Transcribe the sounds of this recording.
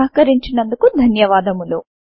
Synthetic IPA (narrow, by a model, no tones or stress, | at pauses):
aɦkɐɾiɲt͡ʃinɐnd̪ukud̪ʱɐnjɐʋaːd̪ɐmulu